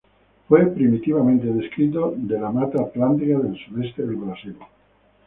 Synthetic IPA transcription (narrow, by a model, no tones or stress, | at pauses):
fwepɾimit̪iβamẽnt̪eðeskɾit̪̬od̪elamat̪aplant̪ɾiaðelsuðest̪eðelβɾasil